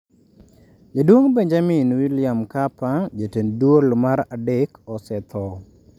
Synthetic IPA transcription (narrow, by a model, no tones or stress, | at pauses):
d͡ʒedwoŋbeɲd͡ʒamɪnwiljamkapad͡ʒetendwolmaɾadekɔsɛt̪ʰɔ